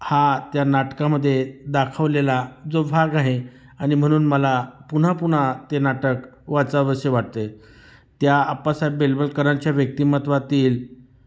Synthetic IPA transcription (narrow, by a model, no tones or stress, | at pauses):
hat̪janaʈkaməd̪ʱːjed̪akʰəʋlelad͡zobʱaɡaɦe | añim̤əɽ̃uːnməlapun̤apuɽ̤at̪enaʈəkʋat͡saʋəɕəʋaʈ̚t̪e | t̪jaːpasabelbəlkəɾat͡ɕjaʋjək̚t̪iːmət̪ʋat̪iːl